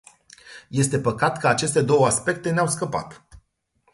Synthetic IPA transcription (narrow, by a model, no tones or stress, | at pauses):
je̞st̪e̞pəkat̪kʰəat͡ʃe̞st̪e̞d̪o̞wəaspe̞k̚t̪e̞neawskəpa̰t̪